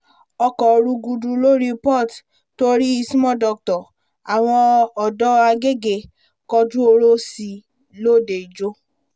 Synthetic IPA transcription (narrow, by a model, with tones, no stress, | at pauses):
ɔ˧kɔ˨˧ɾu˧ɡu˧du˧lo˦ɾi˦pɔ˦˨t | to˦ɾi˦i˧si˦mɔ̃˦˨dɔ˨k̚tɔ˨ | a˨w̃ɔ̃˧ɔ˨dɔ˦a˧ɡe˦˨ɡe˨ | kɔ˧d͡ʒũ˦o˧ɾo˦si˦˧ | lo˦˨de˨d͡ʒo˦